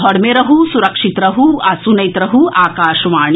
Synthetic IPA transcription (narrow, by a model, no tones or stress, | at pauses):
ɦɔɽmeɾɐɦussuɾɐkʂit̪ɾɐɦuɐsunɐjt̪ɾɐɦuaːkaːʃɐʋaːɳ